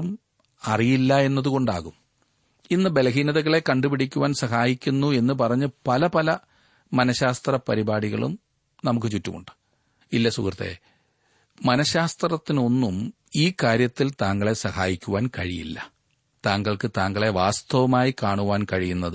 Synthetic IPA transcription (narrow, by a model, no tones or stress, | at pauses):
m | ɐrijilːɐe̞nːɐðuko̞ɳɖaːɣum | inːɨbe̞lɐɦiːnɐðɐɣɐɭe̞kɐɳɖupiɽikʲːuʋaːnsɐɦaːjikʲːunːue̞nːɨp̬ɐrɐɲːɨpɐlɐpɐlɐ | mɐnɐɕaːst̪rɐpɐɾibaːɽiɣɐ̰ɭṵm | nɐmuk̬ːɨt͡ɕutːuko̰ɳɖɨ̥ | ilːɐsṵkrɐt̪ːḛ | mɐnɐɕaːst̪rɐt̪ːino̞nːum | iːkaːɾjɐt̪ːilt̪aːŋɡɐɭe̞sɐhaːjikʲːuʋaːnkɐɻijḭlːɐ̰ | t̪aːŋɡɐɭkɨt̪aːŋɡɐɭe̞ʋaːst̪ɐʋɐmaːjikaːɳuʋaːnkɐɻijunːɐðɨ